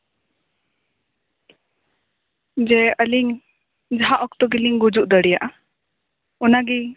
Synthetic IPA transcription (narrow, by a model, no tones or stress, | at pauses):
d͡ʒɛəliŋ | d͡ʒaɦaʔɔkt̪ɔɡiliŋɡud͡ʒuʔd̪əɽijaʔa | ɔnaɡi